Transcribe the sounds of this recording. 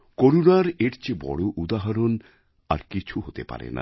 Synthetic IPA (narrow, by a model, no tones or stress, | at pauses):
koɾunaɾeʈt͡ɕebɔ̰ɽoʔud̪aɦaɾon | a̰ɾkit͡ɕʰuɦot̪epa̰ɾḛna̰